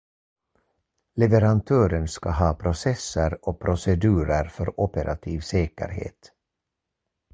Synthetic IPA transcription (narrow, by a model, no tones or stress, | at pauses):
lɛvɛɾant̪ʰøːɾənskaɦɑːpʰɾʊsɛsːəɾɔpʰɾʊsɛd̪ʉ̟ːɾəɾfœɾɔpəɾʔa̰t̪ʰiːvseːkə̰ɾhḛːt̪